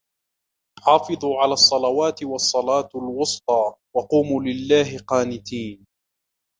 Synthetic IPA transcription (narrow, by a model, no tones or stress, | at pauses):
ħɑːfɨðˤuːʕalaːsˤːɑlɑwaːt̪ɪwɑsˤːɑlɑːt̪alwʊst̪ˤɑːwɑquːmuːlɪlːaːɦɪqɑːnɪt̪iːn